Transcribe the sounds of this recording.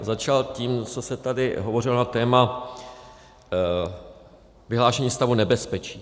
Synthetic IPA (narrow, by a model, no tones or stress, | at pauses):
zat͡ʃalciːmt͡so̞sɛt̪adɪɦovo̞rɪlonat̪ɛːma | vɪɦlaːʃɛɲiːst̪avunɛbɛspɛt͡ʃiː